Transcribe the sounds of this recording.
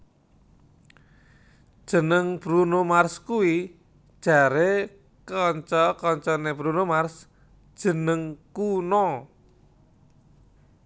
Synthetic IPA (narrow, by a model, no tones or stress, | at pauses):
d̥ʒ̥ə̤nəŋb̥ɾunomarskuwi̥ | ʒ̥a̤ɾe | kɔɲt͡ʃɔkɔɲt͡ʃɔneb̥ɾunomars | d̥ʒ̥ə̤nəŋkunɔ